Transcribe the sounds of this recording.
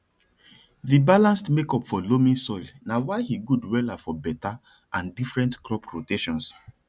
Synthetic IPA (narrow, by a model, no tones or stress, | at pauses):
ðibalãnstmekɔpfɔlomĩnsɔɪlnawaɪhiɡudwɛlafɔbɛta | ʔãndifɹɛ̃ntklɔpɹoteʃɔ̃ns